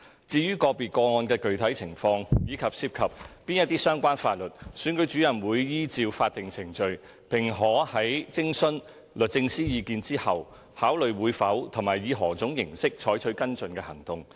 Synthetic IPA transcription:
t͡siː˧jyː˥kɔː˧piː˨t̚kɔː˧ŋɔː˧nkɛː˧kɵ˨ɥt̪ʰɐ˨˥jt͡sʰɪ˨˩ŋfɔː˧ŋjiː˨˧kʰɐ˨p̚siː˧˥p̚kʰɐ˨p̚pːiː˥njɐ˥t̪̚iː˥sœː˥ŋkʷaː˥nfaː˧t̚lɵ˨˩t̚syː˨˥nkɵ˨˥ɥt͡syː˨˥jɐ˨˩nwuː˨˧jːiː˥t͡siː˧wfaː˧t̚t̪ɪ˨˩ŋt͡sʰɪ˨˩ŋt͡sɵ˨˧ɥ | pʰɪ˨˩ŋɦɔː˨˥hɐ˨˥jt͡sɪ˥ŋsɵ˥n | lɵ˨t̚t͡sɪ˧ŋsiː˥jiː˨˧kiː˧nt͡siː˥hɐ˨w | haː˨˥wlɵ˨ɥwuː˨˧jfɐ˨˥wt̪ʰʊ˨˩maː˨˩jjiː˨˧ɦɔː˨˩t͡sʊ˨˥ŋjɪ˨˩ŋsɪ˥k̚t͡ʃʰɔː˨˥jt͡ʃʰɵ˨˥ɥkɐ˥nt͡sɵ˨nkɛː˧hɐ˨˩ŋt̪ʊ˨˧ŋ

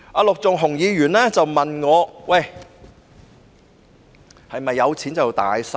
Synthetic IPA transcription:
ʔaː˧lʊ˨k̚t͡sʊ˨ŋɦʊ˨˩ŋjiː˨˧ɥyː˨˩nlɛː˥t͡sɐ˨wmɐ˨nŋɔː˨˧wɐ˥˨˩j | hɐ˨jmɐ˨jːɐ˨˧wt͡sʰiː˨˥nt͡sɐ˨wt̪aː˨jsɐ˧

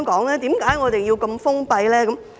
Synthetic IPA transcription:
ŋkɔː˨˥ŋlɛː˥t̪iː˨˥mkaː˨˥jŋɔː˨˧t̪e˨˩jiː˧wkɐ˧mfʊ˥ŋpɐ˧jlɛː˥kɐ˨˦m

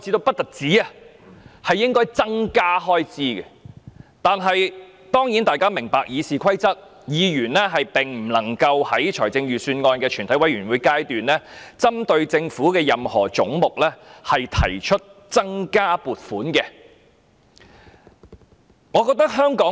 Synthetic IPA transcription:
t͡si˧t̪o˧wpɐ˥t̚t̪ɐ˨˩t̚t͡siː˨˥ɐ˨˧ | hɐ˨jːɪ˥ŋkɔː˥jt͡sɐ˥ŋkaː˥ɦɔː˥jt͡siː˧kɛ˧t̪aː˨nɦɐ˨j | t̪ɔː˥ŋjiː˨˥nt̪aː˨jkaː˥mɪ˨˩ŋpaː˨k̚jiː˨˧siː˨kʰɐ˥jt͡sɐ˥t̚ | jiː˨˧jyː˨˩nlɛ˥ɦɐ˨jpɪ˨ŋm̩˨˩lɐ˨˩ŋkɐ˧whɐ˨˥jt͡ʃʰɔː˨˩jt͡sɪ˧ŋjyː˨˩syː˧nŋɔː˧nkɛː˧t͡ʃʰyː˨˩nt̪ɐ˨˥jwɐ˨˥jɥyː˨˩nwuː˨˧jkaː˧jt̪yː˨nlɛː˥t͡sɐ˥mt̪ɵ˧ɥt͡sɪ˧ŋfuː˨˥kɛː˧jɐ˨mhɔː˨˩t͡sʊ˨˥ŋmʊ˨k̚lɛ˥hɐ˨jt̪ʰɐ̰˨˩jt͡ʃʰɵ˥t̚t͡sɐ˥ŋkaː˥puː˨t̚fuː˨˥nkɛː˧ | ŋɔː˨˧kɔː˧k̚t̪ɐ˥k̚ɦœː˥ŋkɔː˨˥

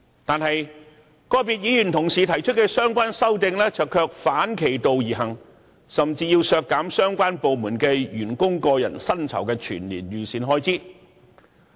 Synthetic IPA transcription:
t̪aː˨nhɐ˨j | kɔː˧jpiː˨t̚jiː˨˥jyː˨˩nt̪ʰʊ˨˩ŋsiː˨t̪ʰɐ˨˩jt͡ʃʰɵ˥t̚kɛː˧sœː˥ŋkʷaː˥nsɐ˥wt̪ɪ˨˧ŋlɛː˥t͡sɐ˨wkʰœː˧k̚faː˨˥nkʰe˨˩jt̪o˨wjiː˨˩ɦɐ˨˩ŋ | sɐ˨mt͡siː˧jiː˧wsœː˧kːaː˨˥msœː˥ŋkʷaː˥npo˨wmuː˨˩nkɛː˧jyː˨˩nkʊ˥ŋkɔː˧jɐ̰˨˩nsɐ˥nt͡sʰɐ̰˨˩wkɛː˧t͡ʃʰyː˨˩nliː˨˩njyː˨siː˨˧nɦɔː˥jt͡siː˥˩

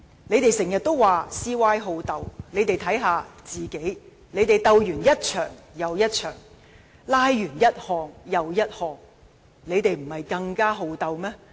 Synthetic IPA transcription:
ne˨˧jt̪e˨˩jsɪ˨˩ŋjɐ˨t̚t̪o˥wwaː˨siː˥waː˥jɦo˧wt̪ɐ˨˧wne˨˧jt̪e˨jt̪ʰɐ˨˥jɦaː˨˧t͡siː˨ke˨˥j | ne˨˧jt̪e˨jt̪ɐ˧wjyː˨˩njɐ˥t̚t͡ʃʰœː˨˩ŋjɐ˨˧wjɐ˥t̚t͡ʃʰœː˨˩ŋ | laː˥jɥyː˨˩njɐ˥t̚hɔː˨ŋjɐ˨wjɐ˥t̚hɔː˨ŋ | ne˨˧jt̪e˨jm̩˨˩hɐ˨jkɐ˧ŋkaː˥ɦo˧wt̪ɐ˨˧wmɛː˥

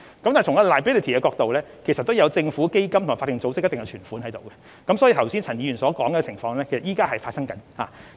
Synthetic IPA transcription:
kɐ˦mt̪aː˨˩tʰŋa˥˨laː˨˩bi˥li˨t̪ʰiː˨˩ɛː˧kɔː˧k̚t̪o˨wlɛː˥kʰe˨˩jsɐ˨t̪̚ːo˥wjɐ˨˧wt͡sɪ˧ŋfuː˨˥ke˥jkɐ˥mt̪ʰmaː˨˩fa˧˥t̪ːɪ˨ŋt͡so˨˥wt͡sɪ˥k̚t̪ŋjɐ˧wt͡ʃʰyː˨˩nfuː˨˥nhɐ˨˦jt̪o˨wkɛ˧ | kɐ˨˥msɔː˨˥jiː˨˧t̪ʰɐ˨˩wsiː˥nt͡sʰɐ˨˩njiː˧˩y˨˩nsɔː˨˥kɔː˨˥ŋɡɛː˧t͡sʰɪ˨˩ŋfɔː˧ŋlɛː˥kʰe˨˩sɐ˨t̚ʔiː˥kaː˥ɦɐ˨jfaː˧t̚sɐ˥ŋkɐ˨˥nha̰ː˨

